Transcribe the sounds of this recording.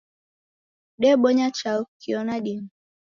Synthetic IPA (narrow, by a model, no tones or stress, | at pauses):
ɗɛɓɔɲat͡ʃakiɔnaɗim